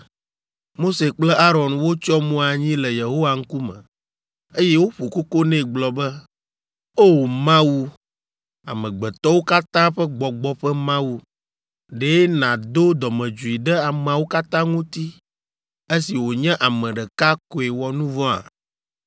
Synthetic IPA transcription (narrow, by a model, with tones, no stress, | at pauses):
mo˦se˨k͡plɛ˦a˦ɾɔ˨nwo˦t͡ʃɔ˦mõ˦a˨ɲĩ˦lɛ˨je˨ɦo˦wa˨ŋ̩˦ku˦mɛ̰̃˨ | e˦jɛ˦wo˦ɸo˨ko˦ko˦nɛ̃˦˨ɡ͡blɔ˨bɛ˦ | o˦mã˦wu˦ | a̰˨mɛ̃˨ɡ͡bɛ˨t̪ɔ˦wo˦ka˦t̪ã˦ɸɛ˦ɡ͡bɔ˨ɡ͡bɔ˦ɸɛ˦mã˦wu˦ | ɖe˨˦nã˨d̪o˦d̪ɔ˨mɛ̃˨d͡ʒu˨i˨ɖɛ˦a˨m̃˨a˨wo˦ka˦t̪ã˦ŋũ˦t̪i˦ | e˦si˨wo˨ɲɛ̃˦ʔa˨mɛ̃˨ɖɛ˨ka˦ko˨e˨wɔ˨nũ˦vɔ̃˦a̰˨